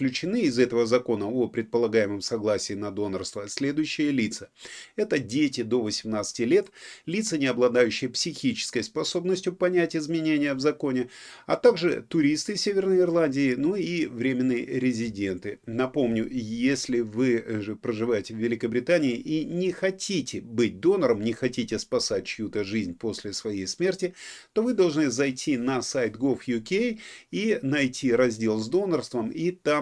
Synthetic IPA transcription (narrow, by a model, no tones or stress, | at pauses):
klʲʉt͡ɕɪnɨɪzɛt̪əvəzɐko̞nəopɾʲɪt̪̚pəlˠɐɡajɪmɨmsɐɡlˠasʲɪːnɐd̪o̞nərst̪vəsʲlʲe̞d̪ʊjʉɕːɪjəlʲit̪səɛt̪ədʲetʲɪd̪o̞vəsʲɪmnat̪sɨ̥tʲɪlʲe̞t̪lʲit̪sənʲɪɐblˠɐd̪ajʉɕːɪjəpsʲɪxʲit͡ɕɪ̥skəjspɐso̞bnəsʲtʲjʊpɐnʲætʲɪzmʲɪnʲenʲɪjəvzɐko̞nʲɪɐt̪aɡʐɨ̰t̪ʊɾʲist̪ɨsʲevʲɪrnəjɪrlˠanʲdʲɪɪnuivɾʲemʲɪnːɨjəɾʲɪzʲɪdʲe̞nt̪ɨnɐpomnʲʊjesʲlʲɪvɨʐɨpɾəʐɨvajɪtʲɪvːʲɪlʲɪkəbɾʲɪt̪anʲɪːʔinʲɪxɐtʲitʲɪbɨt̚ʲd̪o̞nəɾəmnʲɪxɐtʲitʲɪspɐsatʲt͡ɕjut̪əʐɨzʲnʲpo̞sʲlʲɪsvɐjejsmʲertʲɪt̪o̞vɨd̪ɐlˠʐnɨzɐjtʲʰinɐsajt̪ɡofjʊkʲejinɐjtʲʰiɾɐzʲdʲe̞lˠzd̪o̞nərst̪vəmit̪am